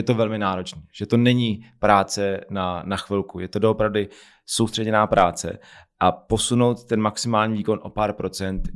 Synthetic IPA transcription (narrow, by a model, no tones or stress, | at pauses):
jɛt̪o̞vɛlmɪnaːɾo̞t͡ʃniːʒ̥ɛt̪o̞nɛɲiːpɾaːt͡sɛnanaxvɪlkujɛt̪o̞doopɾavdɪ | sowst̪r̥ɛɟɛnaːpɾaːt͡sɛ̰ | ʔapo̞sunowt̪̚ːɛnmaksɪmaːlɲiːviːko̞nʔopaːɾpɾo̞t͡sɛnt̪